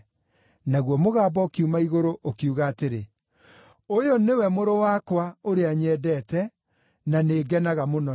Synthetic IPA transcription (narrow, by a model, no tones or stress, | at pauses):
naɣwɔmoɣaːbɔkiumaiɣoɾoʔokiuɣaːteɾe | ojɔnewɛmoɾowakwaoɾeaɲɛdɛtɛ | naneɡɛnaɣamonɔ